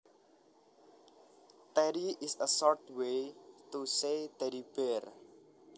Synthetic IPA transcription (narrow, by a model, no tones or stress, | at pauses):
t̪ɛɾiɪsəsɔɾʈwetuset̪ɛɾipeɾ